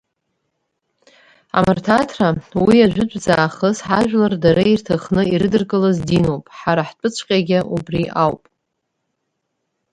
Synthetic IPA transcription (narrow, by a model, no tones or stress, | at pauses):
a̰martʰatʰrawiaʒʷᶣʏt͡ɕʷʼd͡zaːχəsħaʒᶣlardaɾairtʰaχnɨiɾɨdɨrkʼɨlazdino̞wpʼħaɾaħt͡pʷʼɨt͡ɕʷʰʼqʲʼaɡʲaʔubriʔawpʼ